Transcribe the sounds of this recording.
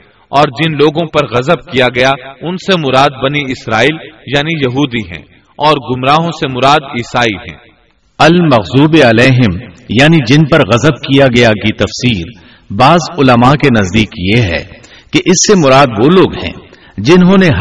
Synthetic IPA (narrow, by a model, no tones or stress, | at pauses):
ɔːɾd͡ʒɪnloːɡõpɐɾɣɐzəb̚kijaɡɐjaʊnsemʊɾaːd̪̚bɐniɪsɾaːiːljaːnijɐɦuːd̪iɦɛ̰̃ː | ɔːɾɡʊmɾaːɦõsemʊɾaːd̪iːsaːiɦɛ̰̃ː | ɐlmɐɣzuːbeɐleːɦɪmjaːnid͡ʒɪnpɐɾɣɐzəb̚kijaɡɐjakit̪ɐfsiːɾ | baːzʊləmakenɐzd̪iːkjeɦɛ̰ | keʔɪsːemʊɾaːd̪ʋoːloːɡɦɛ̰̃ː | d͡ʒɪnɦõːneɦ